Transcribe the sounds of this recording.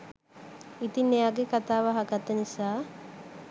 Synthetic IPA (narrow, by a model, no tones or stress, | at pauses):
it̪inːejaɡekat̪aːʋaɦaɡat̪ənisaː